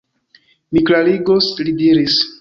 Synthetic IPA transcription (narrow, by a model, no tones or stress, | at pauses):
miklaliɡoslidiɾis